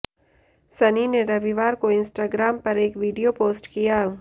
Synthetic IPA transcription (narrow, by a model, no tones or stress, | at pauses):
sɐnineɾɐʋiʋaːɾkoɪ̃nsʈaːɡɾaːmpɐɾeːkʋiːɖijopoːsʈkijaː